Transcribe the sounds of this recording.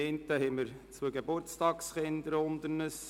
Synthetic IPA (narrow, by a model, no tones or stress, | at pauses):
eɪntːəɦɛməɾt͡suəɡebʊɾt͡stɑːksχɪnd̪əɾʊnd̪əɾnəs